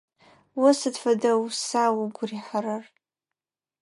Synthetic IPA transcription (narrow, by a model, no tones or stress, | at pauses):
wasɨdfadawsawʊɡʷriħaɾar